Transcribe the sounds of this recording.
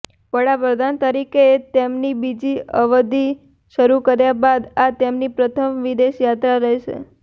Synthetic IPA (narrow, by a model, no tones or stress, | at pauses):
ʋəɽapɾəd̪ʱant̪əɾikeet̪emnibid͡ʒiəʋəd̪i | ʃəɾukəɾjabad̪at̪emnipɾət̪ʰəmʋid̪eʃjat̪ɾaɾəɦeʃḛ